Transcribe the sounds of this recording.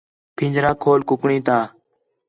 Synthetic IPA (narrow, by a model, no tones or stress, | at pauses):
pʰĩːd͡ʒɾaːkʰoːlkʊkɳĩːt̪ãː